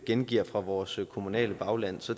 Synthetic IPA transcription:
ɡ̥enɡ̥iɐ̰fʁɑ̈ʋɒːskʰo̝munɛ̰ːləb̥ɑ̈ʊlæn̰sɒ̽d̥

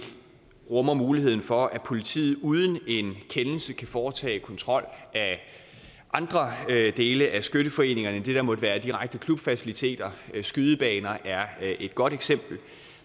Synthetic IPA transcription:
ʁɔ̽mɐmuːlihe̝ð̞̰ˠn̩fɒ̽ʔæpʰo̝lit͡sʰḭːð̩ˠuːð̞ˠən̩e̝nkʰenl̩səkʰæfɒːt͡sʰɛ̰ːkʰɒ̽nt͡sʰʁɒ̽l̰æ | ʔɑ̈nd̥ʁɐd̥e̝ːləʔæsɡ̥øɾ̥əfɒ̽e̝̰ːne̝ŋɐnəd̥e̝d̥ɑ̈mɒ̽d̥əʋæːɐd̥iʁäɡ̥̚d̥əkʰlub̥fæsilit͡sʰe̝̰ːd̥ɐsɡ̥yð̞ˠəb̥ɛːnɐʔæɐʔe̝d̥̚ɡ̥ɒ̽ɾ̥eɡ̥sem̰b̥l̩

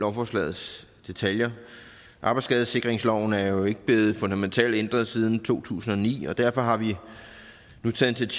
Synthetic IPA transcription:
ɒʊfɒslɛ̰ːð̩ˠs | d̥e̝t͡sʰæljɐ | ʔɑ̈ːb̥ɪsɡ̥ɛðˠse̝ɡ̥ʁeŋslɒʊ̰n̩æɐjo̝e̝ɡ̥əb̥le̝ːð̞̩ˠfɔ̽nd̥æment͡sʰɛ̰ːld̥end̥ʁɐð̩ˠsiːð̞ˠn̩t͡sʰo̝̰ːt͡sʰṵːsn̩ɒ̽nḭːɒ̽d̥æɐfɒ̽ɦɑ̈ʋi | nut͡sʰɛːð̩ˠt͡sʰe̝

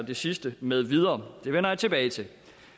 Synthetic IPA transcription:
d̥e̝sisd̥əmeð̞ˠʋið̞ˠɐːd̥e̝ʋenɐjɑ̈ɪt͡sʰe̝b̥ɛːɪt͡sʰe̝l

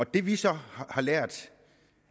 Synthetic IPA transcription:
ɒd̥e̝ʋisɒ̽hɑ̈lɛɐ̰d̥

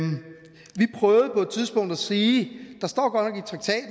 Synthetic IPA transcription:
ʋipʰʁœːʊð̩ˠpʰɒ̽e̝d̥̚t͡sʰiðˠsb̥ɔ̽ŋ̰d̥æsiːd̥ɑ̈sd̥ɒ̰ːɡ̥ɒ̥nɒ̽ɡit͡sʰʁɑ̈ɡ̥t͡sʰɛ̰ːd̥n

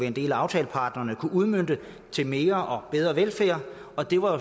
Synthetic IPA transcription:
iend̥e̝̰ːlæɑ̈ʊt͡sʰɛ̰ːləpʰɑ̈ːd̥nɐːnəkʰuʔuð̞ˠmøn̰d̥ə | t͡sʰe̝lme̝ːɐʔɒ̽b̥eð̞ˠʁɐʋelfæːɐ̰ | ɒ̽d̥e̝ʋɑo

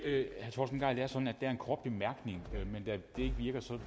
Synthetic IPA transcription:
hæɐt͡sʰɒ̰lsn̩ɡɑ̈ɪ̰d̥eæɐsɒ̥̽n̩æd̥eæɐenkʰʁɒːb̥̚b̥emæɐɡ̥ne̝ŋømend̥æd̥ee̝ɡ̥əʋiɐɡ̥ɐsɒ̽

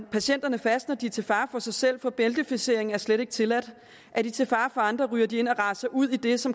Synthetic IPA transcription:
pʰæɕen̰d̥ɐnəfæsd̥nɐd̥it͡sʰe̝lfɑ̈ːfɒ̽sɑ̈ɪsel̰fɒ̽b̥eld̥əfise̝ɐ̰e̝ŋn̩æɐsleɾe̝ɡ̥ə̥t͡sʰe̝læd̥ | ʔæɐd̥it͡sʰe̝lfɑ̈ːfɒ̽ɑ̈nd̥ʁɐʁyːɐd̥ie̝n̰ɒ̽ʁɑ̈sɑʔuð̞̰ˠid̥e̝sɒ̽m

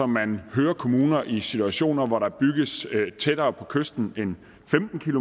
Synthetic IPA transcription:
ɒ̽mːænhøːɐkʰo̝muːnɐʔisit͡suæɕo̝̰ːnɐʋɒɾɑ̈b̥yɡ̥əst͡sʰed̥ɐːpʰɒ̽kʰøsd̥n̩e̝n | femd̥n̩kʰilo

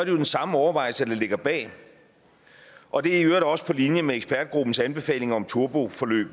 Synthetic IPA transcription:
sɒɐdɾe̝jo̝d̥ensɑ̈məɒʊɐʋɑ̈ɪ̰lsəd̥ele̝ɡ̥ɐb̥ɛ̰ː | ʔɒ̽d̥e̝æɐiøːɐ̥ɒ̽sə̥pʰɒ̽linjəmeeɡsb̥ʰæɐd̥ɡ̥ʁub̥n̩sænb̥e̝fɛ̰ːle̝ŋɐɒ̽mt͡sʰuɐb̥o̝fɒ̽lø̰ːb̥n̩

